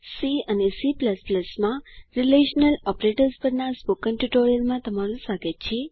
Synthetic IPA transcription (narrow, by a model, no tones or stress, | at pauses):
siənesipləspləsmãɾileʃnəlɔpɾeʈəɾspəɾnaspokənʈuʈoɾijəlmãt̪əmaɾũsaɡet̪t͡ʃʰe